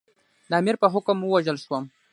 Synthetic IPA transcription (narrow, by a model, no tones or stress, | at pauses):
d̪aamɪɾpəɦʊkəmwəwaʒəlʃwəm